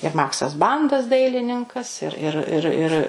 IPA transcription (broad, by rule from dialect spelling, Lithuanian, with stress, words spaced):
ɪr ˈmɑːksɐs ˈbɐndɐs ˈdɐɪlʲɪnʲɪŋkɐs ɪr ˈɪr ɪr ɪr